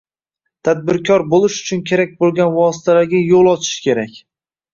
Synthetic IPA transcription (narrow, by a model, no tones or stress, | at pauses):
t̪ʰad̪̚bɪɾkʲʰɒɾbolɪʃʊ̥t͡ʃʰʊnkʲʰe̞ɾak̚ʲbolˠɡʲanvɒsɪ̥t̪ʰalaɾɡʲajolˠɒt͡ʃʰɪ̥ʃkʲe̞ɾakʲ